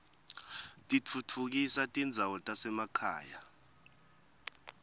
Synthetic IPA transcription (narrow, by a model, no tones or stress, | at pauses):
tʼit͡fʰut͡fʰuk̬isatʼind͡zʱawɔtʼasɛmakʰa̰ːja